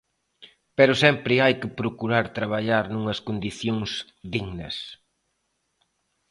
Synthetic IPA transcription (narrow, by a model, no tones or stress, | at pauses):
pɛɾʊsɛmpɾɪajkɪpɾokuɾaɾt̪ɾaβaʎaɾnuŋɐskond̪iθjoŋs | ðiɣnɐ̰s